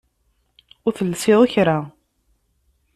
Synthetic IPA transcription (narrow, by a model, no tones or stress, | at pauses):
ʊɾθəlːsɪðˤaçɾa